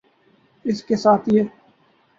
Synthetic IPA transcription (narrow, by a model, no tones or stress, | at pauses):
ɪskesaːt̪ʰjeː